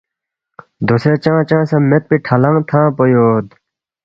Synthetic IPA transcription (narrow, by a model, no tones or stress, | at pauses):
d̪oset͡ɕãːt͡ɕãːsɐ̃met̪̚piʈʰɐlɐ̃ŋt̪ʰãːpojoːd̪̚